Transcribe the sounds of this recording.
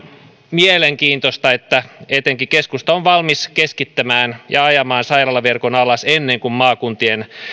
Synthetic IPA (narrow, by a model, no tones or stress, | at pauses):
mieleŋkiːnt̪ost̪ɑet̪ːæet̪eŋkikeskust̪ɑoʋʋɑlmiskeskit̪ːæmæːnjɑɑjɑmɑːnsɑjrɑlːɑʋerkonɑlɑsenːeŋkummɑːkunt̪ien